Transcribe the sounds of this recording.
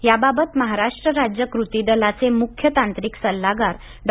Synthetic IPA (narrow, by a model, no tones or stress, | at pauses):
jababət̪məɦaɾaʂʈɾəɾad͡ʑjəkɾut̪id̪əlat͡semukʰjət̪ant̪ɾiksəlːaɡaɾ | ɖ